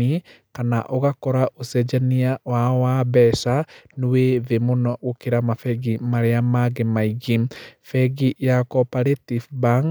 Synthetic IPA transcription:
i | kanaʔoɣakɔɾaʔosɛd͡ʒaniawawabɛsanuwevemonɔɣokeɾamafɛɡimaɾeamaɣemaiɡifɛɡijakɔpaɾetifbaŋ

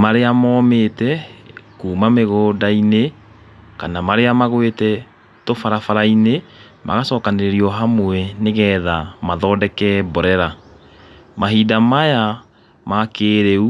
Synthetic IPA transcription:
maɾeamɔːmetɛkuːmameɣoːdaine | kanamaɾeamaɣwetɛ | tofaɾafaɾaine | mʔa̰ɣasɔːkaneɾeɾiɔɦamwɛneɣɛðamaðɔːdɛkɛbɔɾɛɾa | maɦiːdamaja | makeːɾeu

